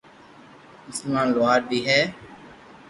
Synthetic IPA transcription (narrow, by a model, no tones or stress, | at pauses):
mʊsəlmãːnlʊaːɾbiːɦɛː